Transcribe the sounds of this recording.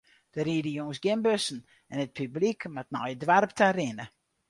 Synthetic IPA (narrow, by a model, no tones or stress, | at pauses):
d̥əɾiːdəjoŋəsɡɪmbøsən̩ | ɛnət̚pʰyblikmat̚nɔjədʋarptʰaɾɪnə